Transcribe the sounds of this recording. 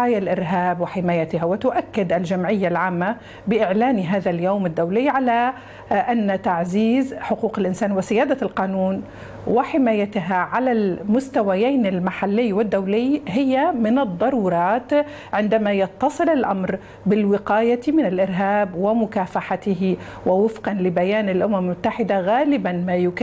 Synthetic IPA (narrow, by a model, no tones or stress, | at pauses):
aːjalʔɪɾɦaːbwɪħɪmaːjat̪ɪhawɪt̪ʊʔakːɪd̪ʔalʒamʕɪjːalʕaːmːa | bɪʔɪʕlaːniɦaːðaljoːmɪd̪ːawlɪːʕala | ʔanːt̪aʕziːzħʊquːqɪlʔɪnsaːnwɪsɪjaːd̪alqɑːnuːn | wɪħɪmaːjat̪ɦaʕalalmʊst̪awajaːnɪlmaħalːɪjːwɪd̪ːawlɪjɦɪjːamɪnɨd̪ˤːɑɾˤuːɾˤɑːt̪ | ʕɪnd̪amajɑt̪ːɑsˤɨlɪlʔamɾ | bɪlwɪqaːjamɪnɪlʔɪɾɦaːbwɪmʊkaːfaħat̪ɪɦɪ | wɪwɪfqɑnlɪbajaːnɪlʔʊmamɪlmʊt̪ːaħɪd̪aɣaːlɪbanmajʊk